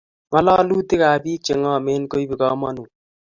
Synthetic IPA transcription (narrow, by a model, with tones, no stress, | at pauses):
ŋɔ˦lɔ˦lu˦ti˦ka˨biː˦t͡ʃe˨ŋɔ˦me˦nko˦jbi˨kɔ˦mɔ˦nu˨